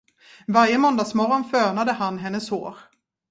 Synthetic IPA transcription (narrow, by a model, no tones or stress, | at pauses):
vaɾjəmɔnd̪aːɡsmɔɾɔnfœːɳad̪əhanɦɛnːəsho̰ːɾ